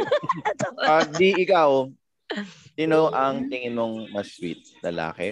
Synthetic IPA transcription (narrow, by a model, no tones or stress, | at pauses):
pɐɡ̚d̪iɪkaw | sɪnoʔɐŋt̪ɪŋɪnmoŋmɐswḭt̪̚lɐla̰ːkɛ̰